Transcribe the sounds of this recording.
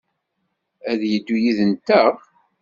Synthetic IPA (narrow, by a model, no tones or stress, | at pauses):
æðjəd̪ːujiðənt̪əʁ